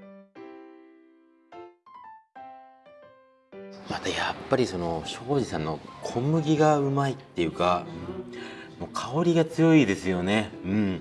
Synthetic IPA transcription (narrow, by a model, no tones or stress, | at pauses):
mat̪ajapːaɾʲiso̞no̞ɕo̞ːʑisãnːo̞kʰo̞mɯ̟ɡʲiɡaɯ̟mait̪ːe̞jɯ̟kaɯ | mo̞ːkʰao̞ɾʲiɡat͡sɨjo̞id̪e̞sɨjo̞ne̞ɯ̟̃ɴ